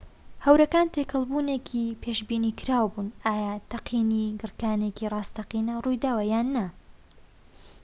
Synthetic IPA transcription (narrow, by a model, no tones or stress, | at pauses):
hɐwɾɐkaːnt̪ʰekʰɐlˠbuːnekʰipʰeːʃbiːnikʰɾaːwbuːnaːjaːt̪ɐqʰiːniɡɨɾkaːnecirˤɑːst̪ɐqiːnɐrujd̪aːwɐjaːnːɐ